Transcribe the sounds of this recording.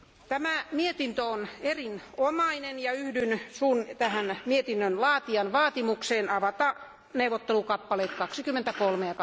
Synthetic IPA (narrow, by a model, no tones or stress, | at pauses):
t̪æmæmiet̪int̪øonerinomɑinenjɑyhdynsuːnt̪æhænmiet̪inːønlɑːt̪iɑnʋɑːt̪imukseːnɑʋɑt̪ɑ | neuʋˑot̪ːelukɑpːɑleːt̪kɑksikymːent̪ækolmeɑk